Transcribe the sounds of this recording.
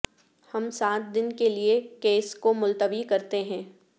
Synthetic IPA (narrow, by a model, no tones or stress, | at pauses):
hɐmsaːt̪̚d̪ɪnkeliekeːskomʊlt̪əʋikɐɾt̪eɦɛ̃ː